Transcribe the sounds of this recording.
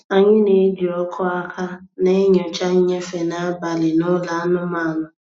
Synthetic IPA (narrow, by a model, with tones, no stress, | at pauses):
a˨ɲɪ˦ne˨˦d͡ʒi˨ɔ˦kʰɔ˦a˦kʰa˦ne˦ɲɔ˨t͡ʃa˦ɲ̩˦ɲe˦fe˨na˦a˦ba˨lɪ˨nʊ˦la˨a˦nʊ˦ma˦˨ŋʊ˨